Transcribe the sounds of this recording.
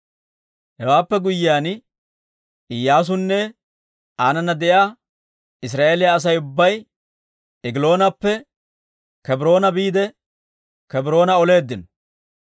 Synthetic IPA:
hɛwaːpːɛɡʊjːɪaːn | ɪjːaːs̬ʊnːɛ | aːnɐnːɐd̪ɛjaː | ɪs̬ɾaːeːlɪjaːs̬ɐjʊbːɐj | ɪɡɪlo̞ːnɐpːɛ | kɛbɾo̞ːnɐbiːd̪ɛ | kɛbɪɾo̞ːnɐɔle̞ːd̪ːɪnɔ

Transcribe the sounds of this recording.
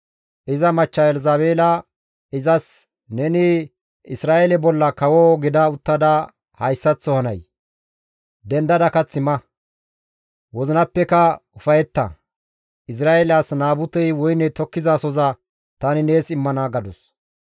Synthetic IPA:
ʔɪzɐmɐt͡ʃːɐjɛlɛzaːbeːlɐ | ɪzɐs | nɛnɪ | ɪsɾaːʔelɛbɔlːɐkɐwɔɡɪd̪ɐʊt̪ːɐd̪ɐ | hɐjsːɐt͡sːɔhɐnɐ̰j | d̪ɛnd̪ɐd̪ɐkɐt͡sːɪmɐ | wɔzɪnɐpːɛkɐʊfɐjɛt̪ːɐ̰ | ɪs̬ɾaːjelaːsnaːbʊt̪ɛjwɔjnɛt̪ɔkːɪzaːsɔzɐ | t̪ɐnɪne̞ːsɪmːɐnaɡɐd̪ʊs

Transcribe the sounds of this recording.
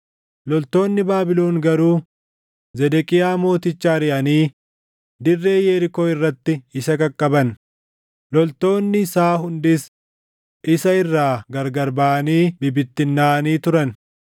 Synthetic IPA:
lɔlt̪o̞ːnːɪbaːbɪlo̞ːŋɡɐɾuː | zɛd̪ɛkʼɪjaːmo̞ːt̪ɪt͡ʃːaːɾɪʔɐniː | d̪ɪrːe̞ːjɛɾɪko̞ːɪrːɐt̪ːɪɪsɐkɐkʼːɐbɐn | lɔlt̪o̞ːnːɪsaːɦʊnd̪ɪs | ʔɪsɐɪrːaːɡɐɾɡɐɾbaːʔɐniːbɪbɪt̪ːɪnːaːniːt̪ʊɾɐn

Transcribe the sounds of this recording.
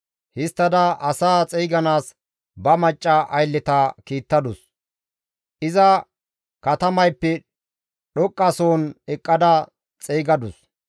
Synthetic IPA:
hɪst̪ːɐd̪ɐʔɐsaːt͡sʼɛjɡɐnaːs | bɐmɐt͡ʃʼːɐʔɐjlːɛt̪ɐkiːt̪ːɐd̪ʊs | ʔɪzɐ | kɐt̪ɐmɐjpːɛ | ɗɔkʼːɐsoːnɛkʼːɐd̪ɐ | t͡sʼɛjɡɐd̪ʊs

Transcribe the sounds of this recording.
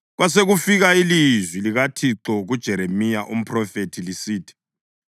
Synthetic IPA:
ɣwas̬eɣufiɣailizwiliɣatʰiǁɔɣud̥ʒ̥ʱɛɾemijaʔum̩pʰrɔfetʰilisiːtʰi̥

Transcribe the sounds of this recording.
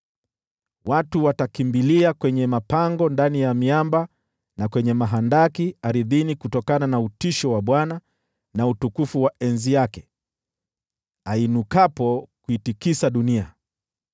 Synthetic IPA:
watuwatakimbiliakwɛɲɛmapaŋɡɔndanijamiamba | nakwɛɲɛmaɦandakiaɾiðinikutɔkananautiʃɔwaɓwana | nautukufuwaɛnzijakɛ | ainukapɔkuitikisaɗunia

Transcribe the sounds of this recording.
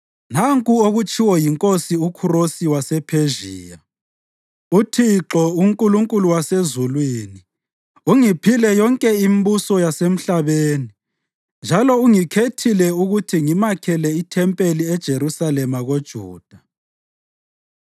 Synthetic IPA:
naŋkʼuoɣut͡ʃʰʼiwɔjiŋkʼosiukʰurosiwasɛpʰeʒiːja | utʰiǁɔuŋkʼuluŋkʼuluwasezulwini | uŋipʰilɛjɔŋkʼɛimbusɔjasem̩ɬaβeːni | nd͡ʒʱalɔuŋikʰetʰilɛuɣutʰiŋimakʰɛlɛitʰɛmpʼeliɛd̥ʒ̥ʱeɾusalɛmaɣod̥ʒ̥ʱṵːd̥ʱa

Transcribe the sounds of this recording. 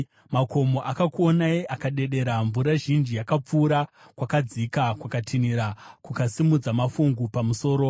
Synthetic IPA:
mako̞mo̞ʔakakuonaiʔakaɗe̞ɗe̞ɾaɱvuɾaʒind͡ʒijakap͡fuːɾa | kwakad͡zikakwakatʰiniɾakukasimud͡zamafuŋɡupamuso̞ːɾo

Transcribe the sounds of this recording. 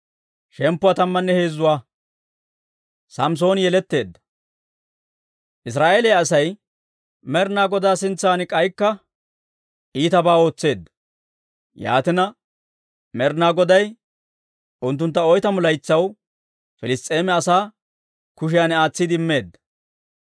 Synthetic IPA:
ʃɛmpːʊwaːt̪ɐmːɐnːɛhe̞ːzːʊwaː | sɐms̬o̞ːnjɛlɛt̪ːe̞ːd̪ːɐ̥ | ʔɪs̬ɾaːʔeːlɛjɐsɐj | mɛɾnaːɡɔd̪aːsɪnt͡sːaːnɪkʼɐjkːɐ | ʔiːt̪ɐbaːo̞ːt͡sːe̞ːd̪ːɐ̥ | ja̰ːt̪ɪnɐ | mɛɾnaːɡɔd̪ɐj | ʔʊnt̪ːʊnt̪ːɐɔjt̪ɐmʊlɐjt͡sːɐw | fɪlɪst̪ʼe̞ːmɛɐsaː | kʊʃ̬ɪjanɛaːt͡sːɪd̪ɪɪmːe̞ːd̪ːɐ̥

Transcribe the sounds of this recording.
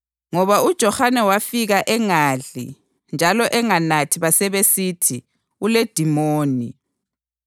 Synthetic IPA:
ŋɔβaud̥ʒ̥ʱɔxanɛwafiɣaʔɛŋaːɮḭ | nd͡ʒʱalɔʔɛŋanatʰiβasɛβesitʰi | uled̥ʱimoːni

